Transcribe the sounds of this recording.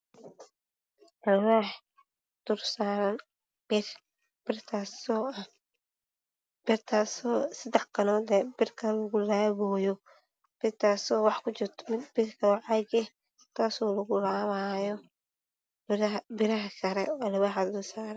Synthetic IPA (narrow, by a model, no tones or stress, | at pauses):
ɐlwaːħ | d̪̥ʊrsaːɾɐn | b̥ɪr | b̥ɪrt̪ʰasɔːɐ | b̥ɪrt̪ʰaːsɔːsɐd̪ɛħkʰɐnɔːd̪ɛbɪrkʰɐlɐɣʊlaːβɔːjɔ | b̥ɪrt̪ʰaːsɔːwɑħkʰʊt͡ʃɪrt̪ʰɔ̥mɪbɪrkʰɐwɑʕɑɡɛ | t̪ʰaːsɔːlɐɣʊlaːβaːjɔ | bɪɾɐɦɐkʰɐɾɛːlɐwaħad̪ʊrsaːɾɐn